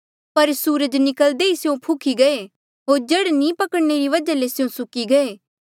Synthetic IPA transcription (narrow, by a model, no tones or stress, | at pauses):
pɐɾsuːɾəd͡ʒnɪkəld̪eisjõpʰʊkʰiɡɐe | ɦoːɾd͡ʒeɽnĩpɐkəɽneɾiʋɐd͡ʒalesjõsʊkiɡɐeː